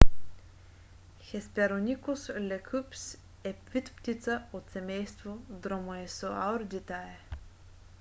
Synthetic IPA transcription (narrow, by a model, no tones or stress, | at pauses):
xɛspɛɾonʲikoslɛkʰʉps | ɛpvʲit̪pt̪ʲit̪saot̪sɛmɛjst̪vod̪ɾomoɛsoa̰oɾd̪it̪aɛ